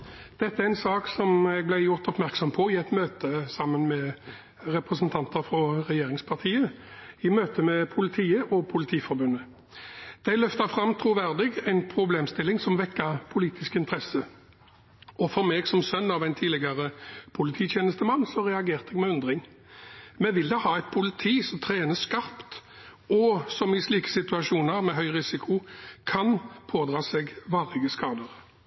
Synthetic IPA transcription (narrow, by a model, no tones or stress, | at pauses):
d̪̥ɛt̪ːəæɛɪnsɑːksɔmɛɡ̚blæɪjʊɾt̪ɔpmæʁksɔmpʰɔɪɛt̪møːt̪əsɑmːənmɛ | ʁɛpʁəsənt̪ʰɑnt̪əfɾɔʁɛjeːɾɪŋspʰɑʁt̪ʰiːəɪmøːt̪əmɛpʰʊlɪt̪ʰiːəʔɔpʰʊlɪt̪ʰiːfɔɾbʉnːə | d̪̥æɪlœft̪əfɾɑmt̪ʰɾuːʋæʁd̪ɪɡæɪnpʰɾʊbleːmst̪ɪlːɪŋsɔmʋɛkːɑpʰʊliːt̪ʰɪskɪnt̪ʰʁɛsə | ɔfɔɾmeːɡsɔmsœnːɑʋɛɪnt̪ʰiːlɪɡɑʁəpʰʊlɪt̪ʰiːt̪ʰjeːnəst̪əmɑnːsɔʁɛɑɡeːʁt̪ɛɡmɛʉnd̪ʁɪŋ | mɛʋɪld̪ɛhɑːæɪt̪̚pʰʊlɪt̪ʰiːsɔmt̪ʰɾeːnəskɑʁpt̪ɔsɔmɪsliːkə̥sɪt̪ʉɑʃuːnəɾmɛɦœʏʁɪsɪkʰʊkʰɑnpʰoːd̪ʁɑːseːɡʋɑːʁɪɡəskɑːd̪əʁ